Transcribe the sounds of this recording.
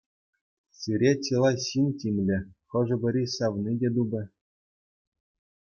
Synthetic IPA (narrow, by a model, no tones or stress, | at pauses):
siɾʲet͡ɕʲilˠɑɕinʲtʲimʲlʲɘ̆χɤ̆ʐɤ̆bʲɘ̆ɾʲisɑʋnidʲed̪ubʲɘ̆